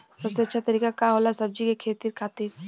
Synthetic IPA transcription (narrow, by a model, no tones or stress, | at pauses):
sɐbseɐtːʃʰat̪ɐɾiːkakaɦoːlasɐb̚d͡ʒikekʰeːt̪iɾkʰaːt̪iɾ